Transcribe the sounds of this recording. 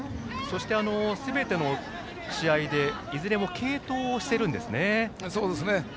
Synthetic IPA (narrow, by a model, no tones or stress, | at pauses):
so̞ɕi̥t̪e̞ano̞sɨbe̞t̪e̞no̞ | ɕiaid̪e̞ | izɨɾe̞mo̞kʰe̞ːt̪o̞ːɕi̥se̞ɾɯ̟̃nd̪esɨne̞soːd̪esɨne